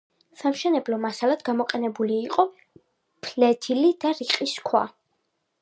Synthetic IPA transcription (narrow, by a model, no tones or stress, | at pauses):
samʃɛnɛblɔmasalad̪̥ɡamɔqʼɛnɛbuliːqʼɔ | pʰlɛt̪ʰilid̪̥aɾiqʼiskʰwa̰